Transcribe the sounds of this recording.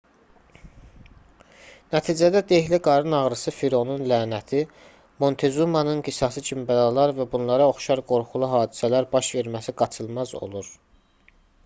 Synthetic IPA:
næt̪ʰiːd͡ʒæd̪æd̪eçliɡɑɾɯnɑʁɾɯsɯfiɾo̞nunlæːnæt̪ʰi | mo̞nt̪ʰe̞zumɑnɯnɡisɑsɯt͡ʃʰimbælɑlˠɑɾvæbunlˠɑɾɑo̞χʃɑɾɡo̞ɾχulˠuɦɑːd̪isælæɾbɑʃve̞ɾmæsiɡɑt͡ʃʰɯlˠmɑzo̞̰lˠuɾ

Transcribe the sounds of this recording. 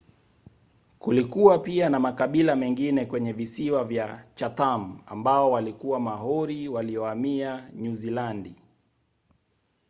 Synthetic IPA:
kulikuwapianamakaɓilamɛŋɡinɛkwɛɲɛvisiwavjat͡ʃatam̩a̰mbaɔwalikuwamaɦɔɾiwaliɔamiaɲuzilandi

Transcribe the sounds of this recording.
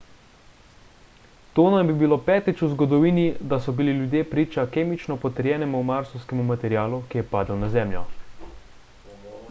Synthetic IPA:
t̪oːnajbibiloːpɛːt̪it͡ʃuzɡɔd̪ɔʋiːnid̪asɔbililjud̪jeːpɾiːt͡ʃakeːmit͡ʃnɔpɔt̪ɛɾjɛːnɛmumaɾsɔwskɛmumat̪ɛɾijaːlukijɛpaːd̪əwnazɛːmljɔ

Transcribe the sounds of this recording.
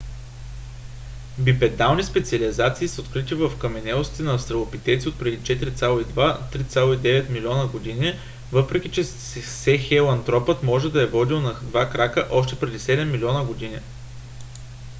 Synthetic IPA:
bipɛd̪alˠnispɛt̪siəlizat̪siːsəot̪kɾit̪ivəfkɐmɛnɛlˠosi̥t̪ɛnɐːfst̪ɾɐlˠopit̪ɛt̪siot̪̚pɾɛd̪it͡ʃɛt̪iɾit̪sʲalˠoid̪vat̪ɾit̪sʲalˠoid̪ɛvɛt̪milʲiɔnəɡod̪ini | vɤpɾɛk̟ʲit͡ʃɛ | sɛxɛlˠɐnt̪ɾɔpət̪mɔʒɛd̪ɐɛvɔd̪ilˠnɐd̪vakɾakəʔɔʃt̪ɛpɾɛd̪isɛd̪ɛmːilʲiɔnəɡod̪ini

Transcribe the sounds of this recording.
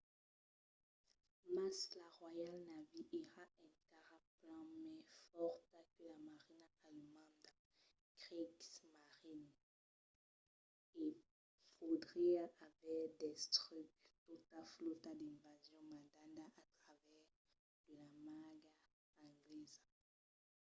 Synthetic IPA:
maslaʁwajalnaviʔiʁaʔɛ̃kaʁaplɑ̃mɛ̃fɔʁt̪akəlamaʁinaaləmɑ̃d̪ã | kʁiksmaʁin | i | fod̪ʁɛavɛʁd̪ɛst̪ʁykt̪ut̪aflot̪ad̪ɛ̃vazjɔ̃madãnd̪aʔat̪χavɛʁ | d̪̥əlamaɡa | ãɡlɛza

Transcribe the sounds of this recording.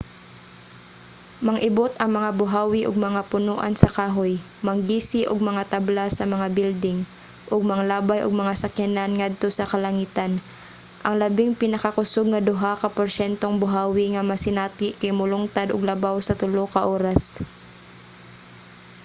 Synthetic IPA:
mɐŋʔɪbot̪ɐŋmɐŋabʊɦaːwɪʔʊɡ̚mɐŋapʊnoʔa̰nsɐkaːɦoj | mɐŋɡiːsɪʔʊɡ̚mɐŋat̪ablasɐmɐŋabild̪ɪŋ | ʔʊɡ̚mɐŋalaːbajʔo̰ɡ̚mɐŋasɐkananŋad̪̚t̪o̞sɐkɐlɐŋiːt̪an | ʔɐŋlɐbɪŋpɪnɐkakʊsoɡ̚ŋɐd̪ʊɦakɐpoɾʃɛnt̪oŋbʊɦaːwɪŋɐmɐsɪnaːt̪ɪʔkɐjmʊlʊŋt̪ad̪ʊɡ̚lɐbawsɐt̪ʊlokɐʔoːɾas

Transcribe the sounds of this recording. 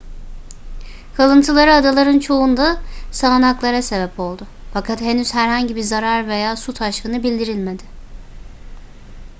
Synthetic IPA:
kʰalˠɯnt̪ʰɯlˠaɾɯad̪alˠaɾɯnt͡ʃʰo̞und̪asaːnaklˠaɾase̞bɛpo̞lˠd̪ʊfakʰat̪henyz̥hæɾhaɲɟibizaɾaɾve̞jaːsut̪ʰaʃkɯnɯbilʲd̪iɾilʲme̞d̪ɪ

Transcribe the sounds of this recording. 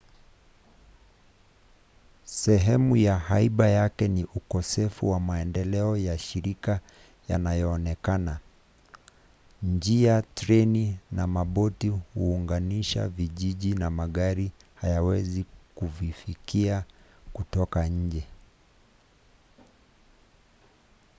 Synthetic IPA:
sɛɦɛmujahaiɓajakɛniʔukɔsɛfuwamaɛndɛlɛɔjaʃiɾika | ja̰najɔːnɛkana | ɲd͡ʒiatɾɛninamaɓɔtihuːŋɡaniʃa̰viʄiʄinamaɠaɾihajawɛzikuvifikia | kutɔkaɲ̩d͡ʒɛ

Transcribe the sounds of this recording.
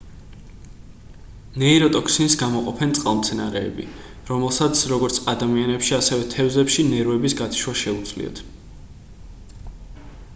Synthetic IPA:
nɛiɾɔt̪ʼɔkʰsinsɡamɔqʼɔpʰɛnt̪sʼqʼalˠmt̪sʰɛna̰ɾɛ̰ːbḭ | ɾɔmɛlˠsat̪sʰɾɔɡɔɾt̪sʰad̪amianɛpʃiasɛvɛt̪ʰɛvzɛpʃinɛɾuɛbisɡat̪ʰi̥ʃwaʃɛud̪zʼlḭɔ̰t̪ʰ

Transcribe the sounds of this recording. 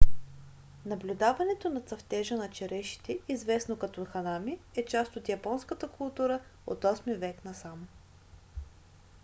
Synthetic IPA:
nɐblʲud̪avɐnɛt̪onɐt̪sɐft̪ɛʒənɐt͡ʃɛɾɛʃi̥t̪ɛizvɛsnokɐt̪ɔxɐnamiɛt͡ʃast̪ot̪jɐpɔnskət̪əkʰʊlˠt̪uɾəo̰t̪ɔsmivɛknɐsamo

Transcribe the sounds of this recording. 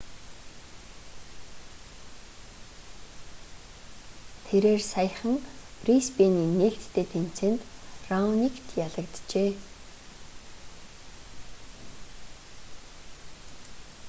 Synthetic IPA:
t̪ʰeɾeːrsajə̆χə̆ŋprispeniːneɬt̪ːʰeːt̪ʰem̥t͡seːnt̪rawnikt̪ʰjaɮə̆kt̪t͡ɕeː

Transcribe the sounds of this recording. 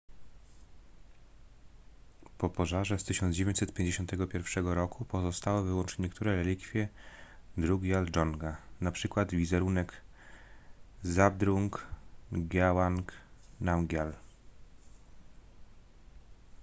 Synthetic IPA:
pɔpɔʐaʐɛst̪ɘɕɔnd͡ʑevʲjeɲt͡ɕʲsɛt̪̚pʲjẽɲd͡ʑeɕɔ̃nt̪ɛɡɔpʲjɛɾfʂɛɡɔɾɔkupɔzɔst̪awɘvɘwɔ̃nt͡ʂɲɛkt̪uɾɛɾɛlʲikfʲjɛ | d̪ɾuɡʲjaldɔŋɡanapʂɘkwad̪vʲizɛɾunɛk | zab̚d̪ɾuŋk | ɡawaŋknamɡʲjal

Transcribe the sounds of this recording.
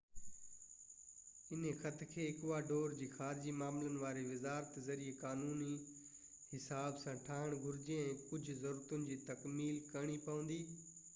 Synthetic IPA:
ɪnexɐt̪ʰkʰeːɪkʋaɖoːɾd͡ʑiːxaːɾɪd͡ʑimaːmlənɪ̆ʋaːɾeʋɪzaːɾət̪zɐɾiekaːnuːni | hɪsaːbsãʈʰaːɪɽ̃ɡʱʊɾɪd͡ʑeɛ̃ːkʊd͡ʑʱʊ̆zɐɾuːɾət̪ʊnɪ̆d͡ʑiːt̪ɐkmiːlkɐɽ̃ipɐʋə̃nd̪iː

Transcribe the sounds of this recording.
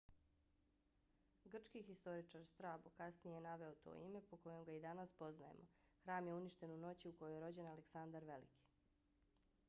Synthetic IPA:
ɡr̩t͡ʃkixist̪o̞ɾit͡ʃaɾst̪ɾaːbukasnijeenaʋe̞ot̪o̰ːḭme̞po̞ko̞jo̞mɡaid̪anaspo̞znaje̞̰mʔo̞ | xɾaːmje̞uniʃt̪e̞nuno̞t͡ɕiukojojeɾo̞d͡ʑe̞naleksand̪aɾʋe̞lḭkʰi̥

